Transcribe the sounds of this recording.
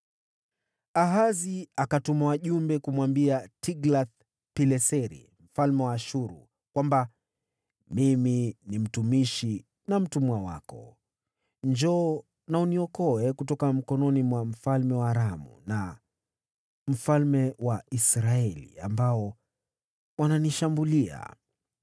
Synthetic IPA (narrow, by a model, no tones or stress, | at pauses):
aɦaziakatumawaʄumbɛkumwambiatʰiɡlaθ | pilɛsɛɾḭ | m̩falmɛwaːʃuɾṵ | kwamba | miminim̩tumiʃi | nam̩tumwawa̰kɔ̰ | ɲd͡ʒɔː | nauniɔkɔɛkutɔkam̩kɔnɔnimwam̩falmɛwaːɾamṵna | m̩falmɛwaisɾaɛlḭambaɔ | wananiʃambulia̰